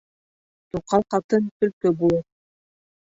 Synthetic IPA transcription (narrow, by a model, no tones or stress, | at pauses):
t̪uqɑqɑt̪ɤnt̪ɵ̆ɾkɵbulˠɤ